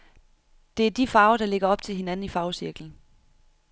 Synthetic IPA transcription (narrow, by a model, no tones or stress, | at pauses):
d̥e̝æɐd̥ifɑ̈ːʊɐɾ̥ɑ̈le̝ɡ̥ɐɒ̽b̥̚t͡sʰe̝lɦe̝næn̩ifɑ̈ʊsiɐɡ̥ln̩